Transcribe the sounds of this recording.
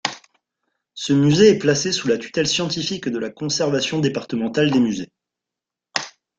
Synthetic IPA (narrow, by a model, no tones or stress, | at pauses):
səmyzeɛplasesulat̪y̥t̪ɛlsjɑ̃t̪ifikd̪əlakɔ̃sɛʁvasjɔ̃d̪epaʁt̪əmɑ̃t̪ald̪emyze